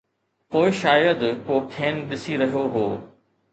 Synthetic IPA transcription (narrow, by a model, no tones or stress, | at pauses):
poːɪʃaːjəd̪koːkʰeːnɗɪsiɾɐɦijoɦoː